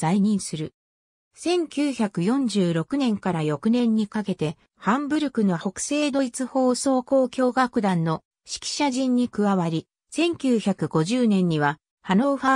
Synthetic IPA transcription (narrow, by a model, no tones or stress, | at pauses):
aiɲ̟ĩɰ̃sɨɾɯ̟ | sẽ̞ŋkʲɨːçakɯ̟jõ̞ɲ̟d͡ʑɨːɾo̞kɯ̟nẽ̞ŋkaɾajo̞kɯ̟nẽ̞ɲ̟ːikake̞t̪e̞ | hãmbɯ̟ɾɯ̟kɯ̟no̞ho̞kɯ̟̥se̞ːd̪o̞it͡sɨho̞ːso̞ːko̞ːkʲo̞ːɡakɯ̟d̪ãnːo̞ | ɕi̥kʲi̥ɕaʑĩɲ̟ːikɯ̟βaβaɾʲi | sẽ̞ŋkʲɨːçakɯ̟ɡo̞ʑɨːnẽ̞ɲ̟ːiβa | hano̞ɸa